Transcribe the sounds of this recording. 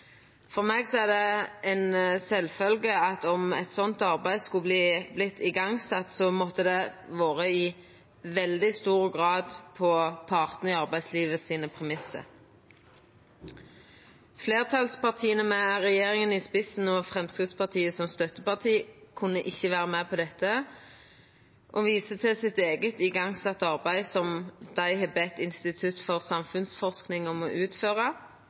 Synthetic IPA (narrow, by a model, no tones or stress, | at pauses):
fɔʁmeːɡsɔɛʁd̪ɛɛnsɛlfœlɡəɑt̪ɔmɛt̪sɔnt̪ɑʁbæɪd̪skʉbliːblɪt̪ʰːɪɡɑŋsɑt̪ːsɔmɔt̪ːəd̪ɛʋoːʁəɪ | ʋɛld̪ɪst̪uːʁəɡʁɑːd̪pʰɔpʰɑʁt̪nəɪɑʁbæɪsliːʋəsiːnəpʰʁɛmɪsə̰ | fleːʁt̪ʰɑlspɑʁt̪ʰiːənəmɛæʁɛjeːʁɪŋənɪspɪsn̩ɔfʁɛmskʁɪt̪spɑʁt̪ʰiːəsɔmst̪œt̪əpɑʁt̪ʰiːkʰʉnːəʔɪçːəʋæːʁəmæːpʰɔd̪ɛt̪ːə | ʔoːʋiːsət̪ʰɪlsɪt̪eːɡət̪ɪɡɑŋsɑt̪ːəɑʁbæɪsɔmd̪̥æɪɦɛbɛt̪ɪnst̪ɪt̪ʰʉt̪fɔʁsɑmfʉnsfɔʁsknɪŋɔmɔʔʉːt̪føːʁə